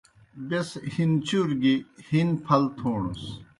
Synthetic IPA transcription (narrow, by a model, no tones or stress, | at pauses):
beshint͡ɕuɾɡihinpʰɐlt̪ʰoːɳṵs